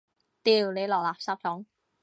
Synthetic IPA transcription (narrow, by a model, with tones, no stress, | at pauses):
t̪iː˨˩wne˨˧jlɔː˨k̚laː˨saː˧˥p̚t͡ʃʰɔː˨˥ŋ